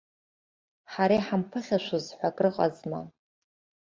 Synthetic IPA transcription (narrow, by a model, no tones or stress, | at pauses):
ħaɾajħampʰɨχʲaʃʷuzħʷakʼrɨqʼa̰zma̰